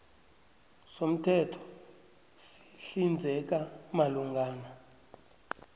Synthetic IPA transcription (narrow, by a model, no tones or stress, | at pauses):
som̩tʰɛtʰɔ̥ | si̥ɬind͡zʱɛk̬amaluŋɡaːna